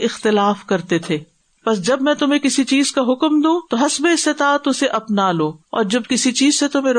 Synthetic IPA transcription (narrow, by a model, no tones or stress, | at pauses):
ɪxt̪ɪlaːfkɐɾt̪et̪ʰeː | pɐs̬d͡ʒɐbmɛ̃t̪ʊmẽkɪsit͡ʃiːzkaɦʊkmd̪ũːt̪oɦɐsbeɪst̪ɪt̪aːt̪ʊseʔɐpnaːloːɔ̰ːɾd͡ʒɐb̚kɪsit͡ʃiːzset̪ʊm̤ẽɾ